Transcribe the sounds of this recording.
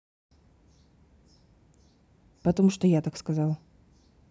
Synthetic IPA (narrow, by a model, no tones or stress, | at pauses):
pɐt̪ɐmuʂt̪ɔjat̪akskazalˠ